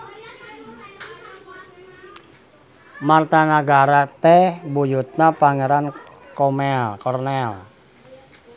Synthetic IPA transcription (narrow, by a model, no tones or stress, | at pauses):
mart̪anaɡaɾat̪ɛhbujut̪̚napaŋɛɾan | kɔmɛlkɔrnɛl